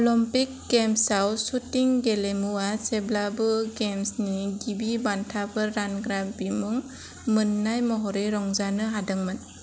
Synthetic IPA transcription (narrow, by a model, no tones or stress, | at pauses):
ɔlɔmpik̚ɡemsawsutiŋɡelemuaseblabɯɡemsniɡibibantʰabɯːanɡɾabimuŋ | mɯnːajmɔɦɔɾeɾɔŋzanɯɦadɯŋmɯn